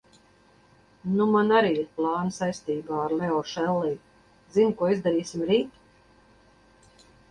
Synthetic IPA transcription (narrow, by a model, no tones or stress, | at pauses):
numanaɾiːiɾplˠɑːnsajst̪iːbaːaɾlɛɔʃɛlˠːiː | zinkuɔizd̪aɾiːsʲimɾiːt̪